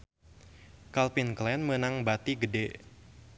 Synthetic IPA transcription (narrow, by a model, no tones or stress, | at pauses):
kalpinklɛnmənaŋbat̪iɡədɛ